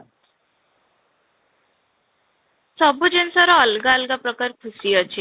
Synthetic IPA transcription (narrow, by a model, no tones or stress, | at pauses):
sɔbud͡ʑensɔɾɔːlɡaəlɡapɾəkaɾkʰusiət͡ɕʰe